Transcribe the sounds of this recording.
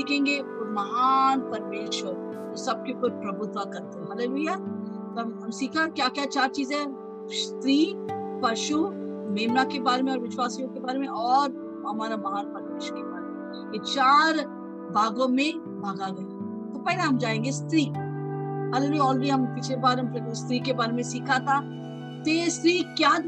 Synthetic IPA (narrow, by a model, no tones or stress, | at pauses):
siːkʰẽːŋɡeɔɾmɐɦanpɐɾmeːʃwəɾ | osɐb̚kekoɾpɾɐbʊt̪wakɐɾt̪eɦɛ̃ɦɐlelujat̪oɦɐmsiːkʰãkjaːkjat͡ʃaːɾt͡ʃiːzɦɛ̃ | st̪ɾiːpɐʃu | meːmnakebaːɾemẽɔːɾʋɪʃwaːsijõkebaːɾemẽʔɔːɾ | ɦɐmaːɾabaːɦaɾpət̪ɪʃkeba̰ːɾemẽ | et͡ʃaːɾ | bʱaːɡõmẽ | bʱaːɡaɡɐja | t̪opɛːleɦɐmd͡ʒaːẽːŋɡest̪ɾiː | ɦəleluɔːləɽiɦɐmpɪt͡ʃʰlebaːɾmpɾest̪ɾiːkebaːɾemẽsiːkʰat̪ʰa | t̪est̪ɾiːkjaː